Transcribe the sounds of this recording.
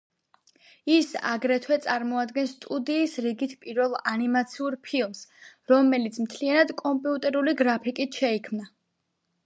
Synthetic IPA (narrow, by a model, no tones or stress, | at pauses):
isa̰ɡɾɛt̪ʰwɛt̪sʼaɾmɔad̪ɡɛnst̪ʼud̪iːsɾiɡit̪ʰpʼiɾvɛlˠanimat̪sʰiuɾpʰilˠmsɾɔmɛlit̪sʰmt̪ʰlianad̪kʼɔmpʼiut̪ʼɛɾuliɡɾapʰikʼit̪ʰʃɛikʰmna